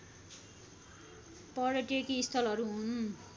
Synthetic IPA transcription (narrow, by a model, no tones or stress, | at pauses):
pʌɽʌʈiekiːst̪ʰʌlʌɾuɦun